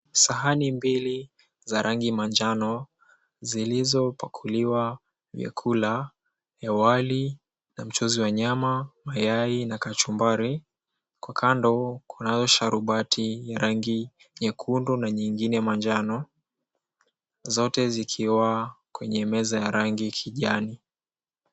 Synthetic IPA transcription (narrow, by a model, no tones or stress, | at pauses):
saɦanimbili | zaɾʔaŋɡimand͡ʒanɔ | zilizɔpakʰuliwa | vjɛ̰kʰula | jawali | nam̩t͡ʃɔziwaɲamamajainakat͡ʃumbaɾi | kwakʰandɔkʰunazɔʃaɾuɓatʰijaɾaŋɡi | ɲɛkʰundunaɲiŋɡinɛmand͡ʒanɔ | zɔtɛzikʰiwakwɛɲɛmɛzajaɾaŋɡikʰiʄani